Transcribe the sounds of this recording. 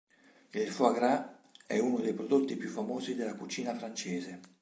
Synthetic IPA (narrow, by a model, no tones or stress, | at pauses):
ilfwaɡɾaɛ̰unod̪ejpɾod̪ot̪ːipjufːamoːzid̪elːakut͡ʃiːnafɾant͡ʃeːze